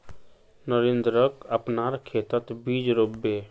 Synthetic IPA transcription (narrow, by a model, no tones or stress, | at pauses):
nəɾend̪ɾəkəpnaːɾkʰeːt̪ət̪biːd͡ʒɾoːbeː